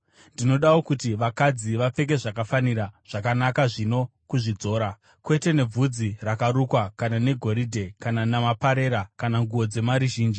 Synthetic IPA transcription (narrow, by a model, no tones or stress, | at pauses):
ndino̞ɗawo̞kutiʋakad͡ziʋap͡fe̞k̬e̞ʐakafaniɾaʐ̥akanakaʐino̞kuʐid͡zo̞ːɾa | kwe̞te̞ne̞b͡vud͡zirakaɾukwakanane̞ɡʱo̞ɾidʱe̞kananamapaɾe̞ːɾakanaŋɡuwo̞d͡ze̞maɾuʒiːnd͡ʒi